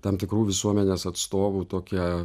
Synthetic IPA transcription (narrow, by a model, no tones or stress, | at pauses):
t̪ɐmt̪ʲɪkɾuːʋʲɪsuɔmʲɛnʲeːsɐt̪st̪oːʋuːt̪oːkʲiɛ